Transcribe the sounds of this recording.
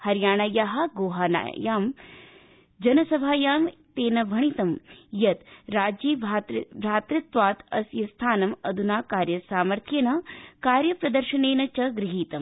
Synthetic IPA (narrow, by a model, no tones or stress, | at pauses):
hɐɾjaːɳɐjaɦɐ̆ɡoːɦaːna̰jaːm | d͡ʒɐnɐsɐbʱaːjaːmt̪eːnɐbʱɐɳ̃it̪ɐmjɐt̪ɾaːd͡ʒiːbʱaːbʱɾaːt̪ɾɐt̪ʋaːt̪ɐ̰sjɐst̪ʰaːnɐmɐd̪ʱunaːkaːɾjɐsaːmɐɾt̪ʰjɐnɐkaːɾjɐpɾɐd̪ɐɾʃɐneːnɐt͡ʃɐɡɾɪɦiːt̪ɐm